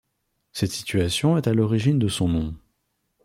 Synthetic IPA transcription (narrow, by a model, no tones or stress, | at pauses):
sɛt̪si̥t̪ɥasjɔ̃ɛt̪alɔʁiʒind̪əsɔ̃nɔ̃